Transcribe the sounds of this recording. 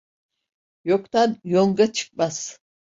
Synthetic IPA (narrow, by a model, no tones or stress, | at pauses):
jokt̪ʰanjoŋɡat͡ʃʰɯ̥k̚maz̥